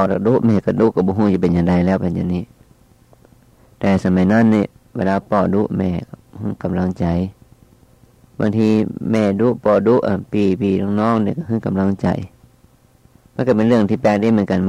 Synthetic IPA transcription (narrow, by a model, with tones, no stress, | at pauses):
ɔ˧˩ɾa˧˩duː˧˥ʔmɛː˧˩ka˧˩duː˧˦ʔkːa˧˩bɔː˧˦ɦuː˧˩˨a˧˩p̬e˨nɲjaː˨˧˨ŋda˧˩jlɛː˧˩˨wpa˧˨nja̰˧˨ŋniː˧˨ | t̪ɛː˧˩sa˧˦ma˧˩jnɔː˧˥˨nːi˧˨ | we˧˨laː˧pɔː˧˩du˧˥ʔmɛː˧˩˨ka˧˩hɯ˧˥˨ka˨mla˧˨ŋt͡ɕa˨˩j | ba̰ː˧˨ŋt̪ʰiː˧˥mɛː˧˩du˧˥˨ʔpɔː˧˩du˧˥ʔa˨˩npiː˨˩piː˧˩nɔː˧˨ŋnɔː˧˥˨ŋni˧˨ka˧˩hɯ˧˥˨ka˨mla˧˥˨ŋt͡ɕa̰˨˩j | ma˧˥˨ka˧˩p̬e˨nlɯ˧˨əŋt̪ʰiː˧˩pɛː˧˩k̚di˧˨m˧˦˨nka˨nm˧